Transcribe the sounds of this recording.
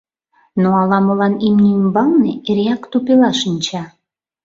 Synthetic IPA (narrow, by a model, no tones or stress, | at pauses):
noɑlɑməlɑnimnʲiimbɑlneeɾeɑkt̪upelɑʃənʲt͡ɕɑ